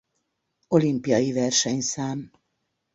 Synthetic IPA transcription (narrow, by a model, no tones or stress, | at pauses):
o̞limpijɒjivɛrʃɛɲsaːm